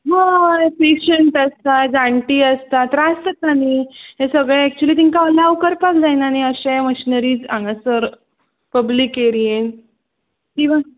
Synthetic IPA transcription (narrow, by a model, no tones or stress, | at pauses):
ɦapeɕəɳʈəst̪ad͡zãɳʈiːəst̪at̪ɾast̪ət̪añiɦẽsəɡɭɛːk̚t͡ɕuəliːt̪̬iŋkaəlaʋkəɾpakd͡zajnañiəɕeməɕinəɾiːd͡zãŋɡasəɾ | pəblikeɾien | kĩʋã